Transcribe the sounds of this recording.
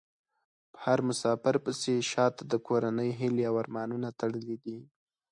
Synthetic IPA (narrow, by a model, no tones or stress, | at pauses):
pə̥haɾmʊsɑfɪɾpəseʃɑt̪ad̪əkʰoɾanəjɦɪleawaɾmɑnunat̪aɽəlid̪i